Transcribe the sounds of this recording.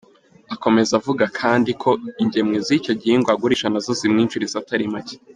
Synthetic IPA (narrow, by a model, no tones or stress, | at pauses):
ako̞me̞zavuɡakʰaːndikʰo̞iɲɟe̞mŋezico̞ɟiiŋɡwaɡuɾiʒanazozimŋiːnt͡ʃuɾizataɾimace̥